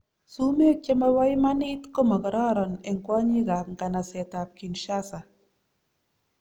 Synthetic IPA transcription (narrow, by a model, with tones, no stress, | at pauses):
su˦me˦t͡ʃe˦ma˦wa˦jma˦ni˦t̪ko˦ma˨kɔ˨ɾɔ˦˨ɾɔ˨ne˨ŋkwɔ˦ɲi˦ɡa˨k̚ŋ̩˨ka˨na˨se˨t̪a˨p̚ki˨nʃa˦sa˨